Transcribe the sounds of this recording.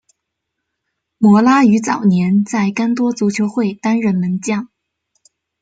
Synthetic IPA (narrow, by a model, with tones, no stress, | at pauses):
mwɔ˧˥la˥y˧˥t͡sɑ˨˩ʊnjɛ˧˥nt͡sa˥˩ɪka˥nt̪wɔ˥t͡su˧˥t͡ɕʰjo˧˥ʊxwe˥˩ɪt̪a˥nɻə˧˥nmə˧˥nt͡ɕjɑ˥˩ŋ